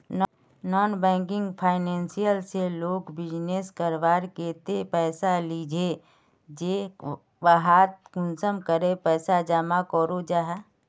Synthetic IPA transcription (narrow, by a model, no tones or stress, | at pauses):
nɔːnbɛ̃ːŋkɪ̃ŋɡpʰaːɪnɛ̃ːnsijəlseloːɡbɪd͡ʒneːskəɾʋaːɾkeːt̪epɛːsaliːd͡ʒʱe | d͡ʒe | ʋəɦaːt̪̚kʊnsəmkəɾepɛːsad͡ʒaːmakɔːɾod͡ʒaːɦɛ